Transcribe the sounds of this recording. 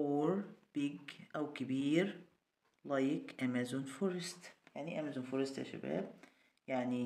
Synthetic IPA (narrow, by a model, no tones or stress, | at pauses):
oːɾb̥ɪɡʔawkɪbiːɾ | lajkʔamazʊnfuɾɪst̪jaʕniʔamazʊnfuɾɪst̪ha̰ʃa̰bæ̰ːb̚ | jaʕni